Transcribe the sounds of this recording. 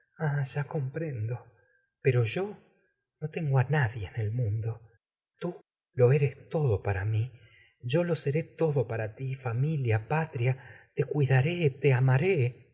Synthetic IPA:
aʒ̥ako̞mpɾe̞nd̪o̞ | peɾo̞ʒo̞ | not̪e̞ŋɡoanaðje̞nelmũnd̪o̞ | t̪u | lo̞e̞ɾest̪o̞ðo̞paɾami | ʒo̞lo̞se̞ɾe̞t̪o̞ðo̞paɾat̪ifamiljapat̪ɾjat̪e̞kwiðaɾe̞t̪eamaɾe

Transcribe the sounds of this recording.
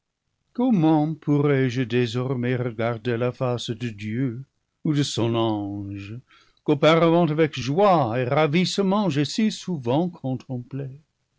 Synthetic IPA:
kɔmɑ̃pʰuʁɛʒədezɔʁmeʁəɡaʁdelafasdədjø | udəsɔ̃nɑ̃ʒə | kopaʁəvɑ̃tavɛkʒwaeʁavisəmɑ̃ʒesisuvɑ̃kʰɔ̃t̪ʰɑ̃ple

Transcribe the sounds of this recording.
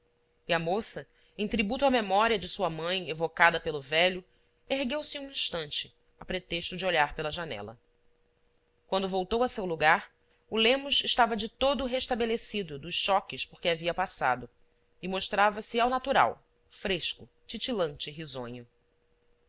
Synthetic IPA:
iɐmosɐ | ẽt̪ɾibut̪ʊamemɔɾiɐd͡ʒɪsuɐmɐ̃j̃evokad̪ɐpelʊvɛʎʊ | eɦɡewsɪũĩʃt̪ɐ̃nt͡ʃɪ̥ | apɾet̪eʃt̪ʊd͡ʒɪoʎaɾpelɐʒanɛ̰lɐ̰ | kwɐ̃nd̪ʊvowt̪owɐsewluɡaɾ | ulẽmʊʃɪʃt̪avɐd͡ʒɪt̪od̪ʊɦeʃt̪abelesid̪ʊd̪ʊsʃɔkɪʃpoɾkʲɪaviɐpasa̰d̪ʊ | ɪmoʃt̪ɾavɐsɪawnat̪uɾa̰w | fɾeʃkʊ | t͡ʃit͡ʃilɐ̃nt͡ʃɪɦizõ̰ɲʊ

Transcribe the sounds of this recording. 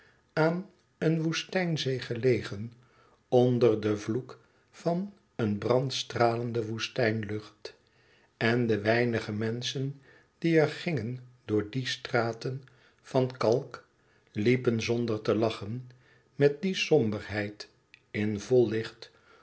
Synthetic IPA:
aːn | ənʋustɛjnzejχəlejχən | ɔndəɹdəvluk | fɑn | ənbrɑntstraːləndəʋustɛjnlɵχt | ɛndəʋɛjnəχəmɛnsən | d̥iɛɹχɪŋəndʊːɹdistraːtən | fɑnkɑlˠk | lipənzɔndəɹtəlɑχən | mɛt̚disɔmbəɹɦɛjt | ɪnvɔlˠːɪχt

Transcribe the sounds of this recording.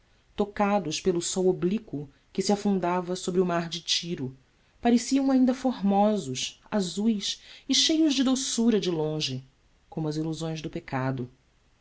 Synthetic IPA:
t̪okad̪ʊʃpelʊsɔwoblikʊ | kɪsiafũnd̪avɐsobɾɪʊmaɾd͡ʒɪt͡ʃiɾʊ | paɾesiɐ̃w̃aĩnd̪ɐfoɦmɔzʊs | azujsɪʃejʊʒd͡ʒɪd̪osuɾɐd͡ʒɪlõʒɪ | kõmʊɐziluzõj̃zd̪ʊpekad̪ʊ

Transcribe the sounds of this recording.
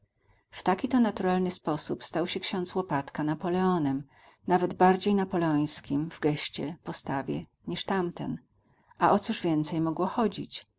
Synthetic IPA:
ft̪akʲit̪ɔnat̪uɾalnɘspɔsupst̪awɕɛkɕɔ̃nt̪swɔpat̪kanapɔlɛɔnɛm | navɛd̪baɾd͡ʑejnapɔlɛɔj̃skʲimvɡɛɕt͡ɕɛpɔst̪avʲjɛ̰ | ɲiʂt̪amt̪ɛ̰n | ʔaʔɔt̪suʐvʲjɛnt̪sɛjmɔɡwɔxɔd͡ʑḭt͡ɕ

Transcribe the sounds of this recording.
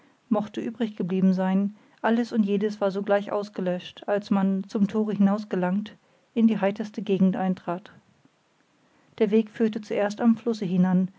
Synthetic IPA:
mɔχtəʔyːbʁɪçɡ̥əbliːbm̩zaɪn | ʔaləsʊntjeːdəsv̥aːɐzoːɡlaɪçʔa̰ʊsɡ̥əlœʃtalsmant͡sʊmtʰoːʁəhɪnaʊsɡ̥əlaŋt | ʔɪndiːɦaɪtɐstəɡeːɡŋ̩tʔaɪntʁ̥aːt | d̥eːɐveːkfyːɐtət͡suʔeːɐstamflʊsəɦɪnan

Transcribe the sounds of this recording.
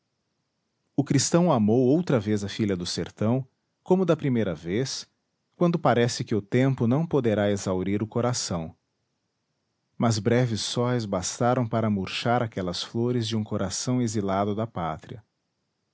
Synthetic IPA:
ʊkɾist̪ɐ̃w̃amowowt̪ɾɐvezɐfiʎɐd̪ʊseɾt̪ɐ̃w̃ | kõmʊd̪ɐpɾimejɾɐves | kwɐ̃nd̪ʊpaɾɛsɪkɪʊt̪ẽmpʊnɐ̃w̃pod̪eɾaezawɾiɾʊkoɾasɐ̃w̃ | mɐzbɾɛvɪsːɔɪzbast̪aɾɐ̃w̃paɾɐmuɾʃaɾakɛlɐsfloɾɪzd͡ʒɪũkoɾʔasɐ̃w̃ezilad̪ʊd̪ɐpa̰t̪ɾiɐ

